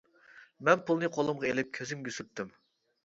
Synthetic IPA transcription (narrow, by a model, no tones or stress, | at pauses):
mɛnpʰulˠnɨqʰolˠʊmʁɑelɪp̚kʲʰøzɪmɡʲøsyɾp̚t̪ʰːym